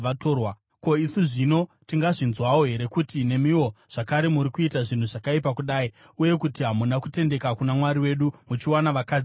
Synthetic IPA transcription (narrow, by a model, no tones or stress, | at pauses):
ʋatoːrwa | ko̞isuʐino̞ | tiŋɡaʐinzwawoɦe̞ɾe̞kutine̞miwo̞ʐ̥akaɾe̞muɾikuitaʐin̤uʐakaipakuɗaːi | uje̞kutiɦamunakute̞nde̞kakunamwaɾiwe̞ɗumut͡ʃiwanaʋakaːd͡z